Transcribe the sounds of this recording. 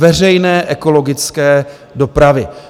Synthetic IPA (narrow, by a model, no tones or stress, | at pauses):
vɛrɛjnɛːʔɛko̞lo̞ɡɪt͡skɛː | do̞pɾavɪ